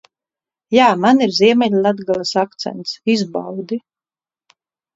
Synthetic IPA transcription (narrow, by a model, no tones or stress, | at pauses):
jaːmaniɾziɛmɛʎʲlˠad̪ɡalˠasakt̪sɛ̰nt̪sizbawd̪i